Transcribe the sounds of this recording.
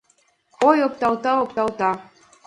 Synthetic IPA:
ojop̚t̪ɑwt̪ɑopt̪ɑlt̪ɑ

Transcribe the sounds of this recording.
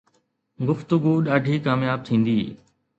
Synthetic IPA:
ɡʊft̪ʊɡuɗaːɖʱiːkaːmjaːb̚t̪ʰĩːn̆d̪iː

